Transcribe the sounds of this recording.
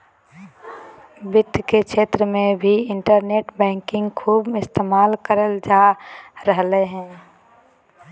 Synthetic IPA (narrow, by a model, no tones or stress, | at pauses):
bɪt̪kekʃeːt̪ɾəmẽbʱiɪɳʈəɾneːʈbɛ̃ːŋkɪ̃ŋɡkʰuːbɪst̪eːmaːlkəɾəld͡ʒaːɾəɦleɦɛ̃ː